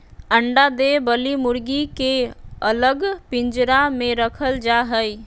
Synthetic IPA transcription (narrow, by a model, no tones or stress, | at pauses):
əɳɖad̪ebəlimuɾɡikeələɡpind͡ʒɾamẽɾəkʰəld͡ʒaɦəj